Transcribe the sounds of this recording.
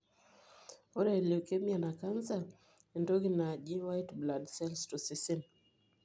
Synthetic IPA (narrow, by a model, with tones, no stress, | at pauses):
ɔ˦ɾɛ˨li˨o˨kɛ˦mia˨na˨ka˦nza˨ | ɛ˨ndɔ˦ɡi˨na˨ʄi˦nwa˦jtbladsɛ˦lstu˨si˦si˦n